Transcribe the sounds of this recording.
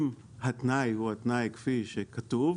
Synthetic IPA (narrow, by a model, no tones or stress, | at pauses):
m | hat̪najhuat̪najkfiʃekat̪uv